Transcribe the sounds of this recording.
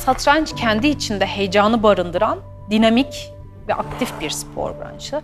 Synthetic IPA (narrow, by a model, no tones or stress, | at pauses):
sat̪ʰɾant͡ʃcʰɛnd̪iːt͡ʃʰind̪ɛhe̞jd͡ʒaːnɯbaɾɯnd̪ɯɾan | d̪inamic | vɛ̰ʔak̚t̪ʰifbiɾspʰo̰ɾbɾa̰nt͡ʃ̪ˠɯ